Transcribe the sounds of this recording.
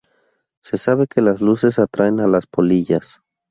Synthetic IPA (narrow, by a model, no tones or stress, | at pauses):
se̞saβe̞ke̞lazluse̞s̬at̪ɾaenalaspoliʝas